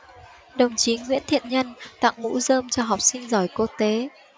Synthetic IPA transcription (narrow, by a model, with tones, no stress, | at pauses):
ɗə˨˩wŋ͡mt͡ɕi˨˦ŋwḭ˧˥ənt̪ʰḭ˧˨ənɲə˧nt̪a̰˧˨ŋmṵ˧˥zəː˧mt͡ɕɔ˧ɦa˨˩wk͡p̚sï˧ŋ̟zɔ˧˩jku˧t̪e˨˦